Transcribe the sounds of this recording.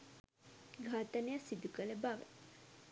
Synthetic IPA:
ɡʱaːt̪ɐnejasid̪ukəlebaʋḛ

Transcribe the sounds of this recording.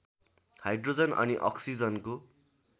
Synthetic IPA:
hajɖrod͡zʌnʔʌ̰niʔʌksid͡zʌnko

